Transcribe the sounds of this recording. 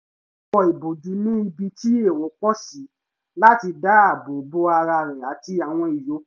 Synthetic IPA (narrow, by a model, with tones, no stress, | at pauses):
k͡pɔ˧i˨bo˨du˨˦nĩ˦i˧bi˧ti˦e˦˨wo˨˦k͡pɔ˦si˨˦ | la˦ti˧da˦a˦˨bo˨bo˦a˧ɾa˧ɾɛ˨a˨˦ti˧a˨w̃ɔ̃˧i˨jo˨˦